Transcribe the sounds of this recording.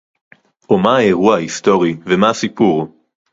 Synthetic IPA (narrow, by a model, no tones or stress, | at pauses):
ʔomaae̞ʁuaaist̪o̞ʁivemaasipuʁ